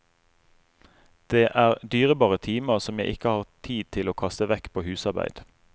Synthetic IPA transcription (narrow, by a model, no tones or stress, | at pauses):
d̪̥eːʔæːʁd̪yːʁəbɑːʁət̪ʰiːməʁsɔmjæɪʔɪ̰kəhɑːʁt̪ʰiːd̪̚t̪ʰɪloːkʰɑst̪əʋɛkpʰoːhʉːsɑʁbæ̰ɪd̪̥